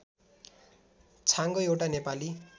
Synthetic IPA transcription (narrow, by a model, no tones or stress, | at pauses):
t͡sʰaŋɡoewʈanepali